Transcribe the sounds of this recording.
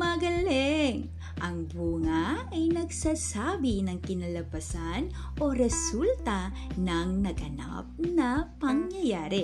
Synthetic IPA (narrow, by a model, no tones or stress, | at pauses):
mɐɡɐlɛŋ | ʔɐŋbuːŋɐɐjnɐɡsaːsaːbinɐŋkɪnɐlɐbɐsan | ʔoɾɛsult̪ɐ | nɐŋnɐɡʔɐna̰p̚nɐpɐŋjɐjaːɾɪ